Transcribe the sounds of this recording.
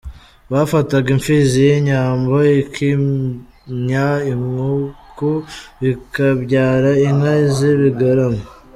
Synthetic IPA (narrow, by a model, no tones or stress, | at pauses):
βafataɡiɱfizijeɲaːmboikʰi | ɲaiŋukuβikaβɟaːɾain̥haziβiɡaɾama